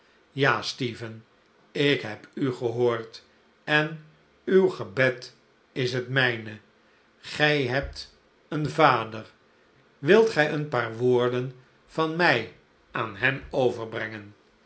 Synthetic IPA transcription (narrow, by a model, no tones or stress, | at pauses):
jaːstiːvən | ɪkɦɛpyχəɦoːɹt | ɛn | ywχəbɛt | ɪsɦətmɛjnə | χɛjɦɛp̚t | ənvaːdər | ʋɪlˠtχɛjənpaːɹʋoːɹdən | vɑnmɛj | ʔaːnɦɛmowvəɹbrɛŋən